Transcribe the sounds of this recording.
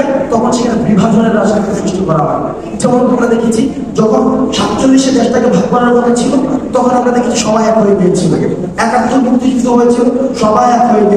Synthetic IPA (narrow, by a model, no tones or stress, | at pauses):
et̪ɔkʰonʃekʰanebɾibʱad͡ʑʱoneɾːad͡ʑnit̪ʰik̪esɾuʃʈʰokɔɾaɦa̰ɾn̰ | it͡ɕʰabʱɔbeamɾad̪ekʰit͡ɕʰi | d͡ʑɔkʰonʃat̪ːt͡ɕoɾiʃed̪eʃʈakebʱaɡ̚paɾaɾmod̪ʱːet͡ɕʰilot̪ɔkʰonamɾad̪ekʰi̥t͡ɕʰi̥ʃɔbajak̪ɦoep̪eet͡ɕʰila̰ke | ɛkat̪ːɾomukt̪id͡ʑit̪oɦojet͡ɕʰiloʃɔbajat̪ɦoep̪e